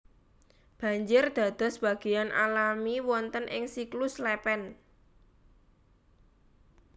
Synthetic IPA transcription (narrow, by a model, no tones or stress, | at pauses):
b̥ä̤ɲd͡ʒɪrd̪̥a̤d̪̥ɔ̤sb̥ä̤ɡ̥ijanʔa̰lamiwɔnt̪ənʔɪ̰ŋsiklʊslɛpɛn